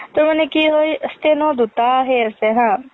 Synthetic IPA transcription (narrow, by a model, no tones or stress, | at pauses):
t̪omɐnekiɦojəst̪enɔd̪ut̪aɦeəseɦãː